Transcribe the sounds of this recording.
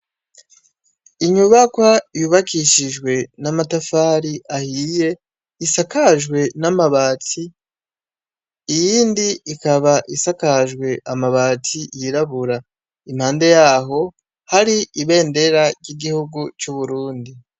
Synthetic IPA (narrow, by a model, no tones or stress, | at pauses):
iɲuβakwajuβakiʃiʒwe̞namatafaːɾiʔahiːje̞ | isakaʒɡwe̞namaβaːti | jiːndiːkaβaʔisakaʒwe̞ʔamaβaːtʰijiɾaβuɾa | imhaːnde̞jaːɦo̞ | haɾiiβe̞ːnde̞ɾaɾɟiɡihuɡut͡ʃuβuɾuːndi